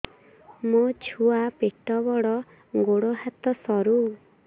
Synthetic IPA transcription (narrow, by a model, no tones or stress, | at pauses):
mot͡ʃʰuapeʈɔbɔɽɔ | ɡoɽɔɦat̪ɔsɔɾu